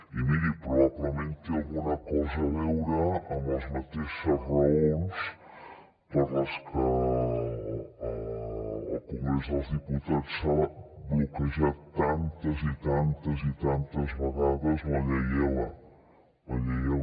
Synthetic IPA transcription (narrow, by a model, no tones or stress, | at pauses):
imiɾipɾuβaβləmẽnt̪ealˠɣunɐkɔzɐβɛwɾəːməzmat̪eʃəzrɐons | pəɾləskə | kuŋɡɾezalˠzðiput̪at̪saβbukəʒat̪ant̪ɐzit̪ant̪ɐzit̪ant̪ɐzβɐɣaðɐzβɐʎɛjəl | mɐʎɛjə